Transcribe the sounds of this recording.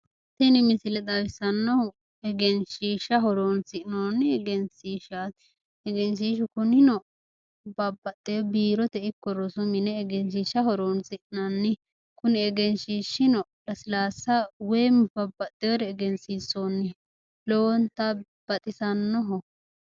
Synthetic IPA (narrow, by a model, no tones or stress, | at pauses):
t̪ɛnɪmɪsɪlɛd̪ɐwɪsɐnːɔhʊ | ɛɡɛnʃiːʃːɐɦɔɾoːnsɪʔnoːnːɪɛɡɛnsiːʃat̪ | ɛɡɛns̬iːʃ̬ʊkʊnɪnɔ | bɐbːɐt̪ʼːejbiːɾɔt̪ɛɪkːɔɾɔsʊmɪnɛːɡɛns̬iːʃɐɦɔɾonsɪʔnɐnːɪ | kʊnɪɛɡɛnʃiːʃːɪnɔlɐsɪlaːsːɐwejmb̥ɐbːɐt̪ʼːejɔɾɛːɡɛnsisːonːɪ | lɔwɔnt̪ɐ | b̥ɐt̪ʼɪsɐnːɔɦʊ